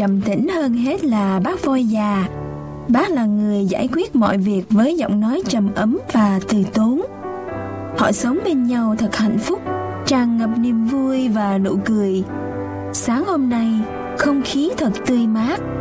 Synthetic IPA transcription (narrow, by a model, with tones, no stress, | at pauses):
ə˨˩mt̪ḭ̈˧˥ŋ̟həː˧nɦe˦˥t̚laː˨˩ɓaː˦˥k̚vɔ˧jzaː˨˩ | ɓaː˦˥t̚laː˨˩ŋɨ˨˩əjza̰ː˧˩jkwi˦˥ət̚mɔ̰˧˨jvi˨˩ək̚vəː˨˦jzɔ̰˧˨wŋ͡mnɔ˨˦jt͡ɕə˨˩mʔə˨˦mvaː˨˩t̪ɨ˨˩t̪o˨˦n | hɔ̰˧˨sə˨˦wŋ͡mɓe˧nɲa˧wt̪ʰə˨˩k̚ha̰˧˨jŋ̟fʊ˦˥k͡p̚ | t͡ɕaː˧ŋːə˨˩p̚ni˧˩əmvu˧əjvaː˨˩no̰˧˩kɨ˨˩əj | saː˨˦ŋho˧mna˧j | xə˧wŋ͡mxi˨˦t̪ʰə˨˩k̚t̪ɨ˧əjmaː˦˥k̚